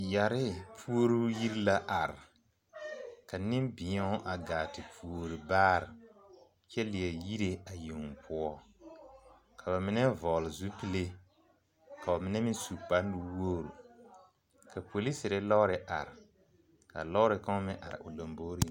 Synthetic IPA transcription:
ja˨ɾɪ˦pʰu˦o˦ɾu˦ji˦ɾla˦ʔa˨ɾɪ˨ | ka˨nɪ˦mbɪ˨ɲɔ˦ʔa˨ɡaː˨tɪ˨pu˨o˨ɾi˨baː˦ɾɪ˨ | t͡ʃɛ˦lɪ˨ɛ˨ji˦ɾe˦a˨ji˨ŋ˨pʰʊ˦ɔ˦ | kʰa˨βa˨mɪ˦nɛ˦vɔ˨lɪ˨zu˦pi˦le˦ | kʰa˨ɔ˨mɪ˦nɛ˦mɪ˦su˨pa˦ndʊ˦wo˦ɾṵ˨ | ka˨po˨li˦sɪ˨ɾɪ˦lɔ˦ɾɪ˦ʔa̰˨ɾɪ˨ | ka̰˨lɔ˦ʊ˦ɾɪ˨ka˦mɪ̃˦ʔa̰˨ɾɪ̰˨ʔʊ˨lo˨mbo˦ɾi˦

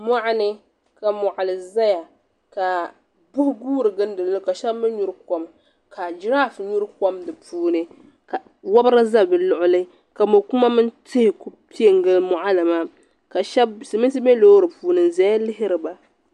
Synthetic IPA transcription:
ma˦ʔa˦nɨ˦ | ka˨mʊ˨ʔa˨lɨ˨za˦ja˨ | ka˨ | bʊ˦hʊ˦ɡuː˦ɾɨ˨ɡɨ˦n˦dɨ˨lɨ˦ka˨ʃɛ˦bmɨ˦ɲu˦ɾɨ˦ko˨m | kʰa˨d͡ʒɪ˦ɾaː˦˨fɲu˦ɾɨ˦ko˦mdɨ˨puː˦nɨ˦ | ka˨ | wa˦bɾa˦za˦˨bɨ˨lʊ˨ʔʊ˦lɨ˦ | ka˨mʊ˨kʊ˦ma˦mɨ˦ntɪ˦hɪ˨ku˦pi˦e˦ŋɡɨ˦lmʊ˨ʔa˦lɨ˨maː˦ | ka˨ʃɛ˦bsmɨ˦ns̬ɨ˦bɛ˦lo˦ɾɨ˨puː˦nɨ˨n˨zɛ˨˦a˦lɪ˦ɦɪ˦ɾɨ˨ba˨

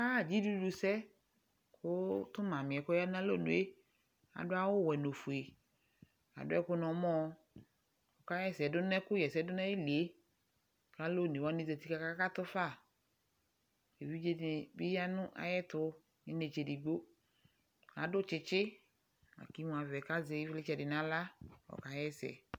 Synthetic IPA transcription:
ka˦˨d͡ʒi˦du˦du˨sɛ˦ | kʰʊ˦t̪ʊ˦mã˨mɪ̃˨ɛ˨kʊ˦ja˦ã˦lo˦˨nʊ̰̃˨e˦ | a̰˨dʊ˦a˦wʊ˦˨wɛ˨no˨fu˨e˨ | a̰˨dʊ˦ɛ̰˦kʊ˦nɔ̃˨˦mɔ̃˦ | kʊ˨ka˦jɛ˦˨sɛ˨dʊ˦nɛ˦kʊ˦jɛ˨sɛ˨˦dʊ˦nɛ̃˦ji˦li˨e˦ | ka˦lo˦˨nẽ˨wa˦ne˦˨zɛ˨t̪i˦ka˨˦ka˦ka˦t̪ʊ˦fa˦˨ | e˨vi˦d͡ʒe˦dɪ˨bɪ˦ja˦nʊ̃˦ʔa̰˨jɛ˦t̪ʊ˦ | ɲɪ˦ne˨t͡ʃe˨di˨ɡ͡bo˦ | a˨dʊ˦t͡ʃɪ˦t͡ʃɪ˦ | a̰˨ki˦m̃˨a˨vɛ˨ka˦zɛ˨˦i˦vlɪ˦t͡ʃɛ˨dɪ˨nã˦la˦wɔ̰˨ka˦jɛ˦sɛ̰˨

